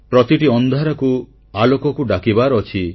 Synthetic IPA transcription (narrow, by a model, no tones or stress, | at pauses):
pɾɔt̪iʈiɔnd̪ʱaɾɔku | alokɔkuɖakibaɾɔt͡ʃʰi